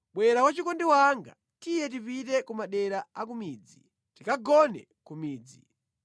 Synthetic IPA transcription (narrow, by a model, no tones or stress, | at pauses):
ɓwɛɾakwat͡ʃikɔndiwaŋɡa̰ | tijɛt̬ipitɛkumaɗɛɾaak̬umiːd͡zi | tikaɡɔnɛ̰ | kumiːd͡zi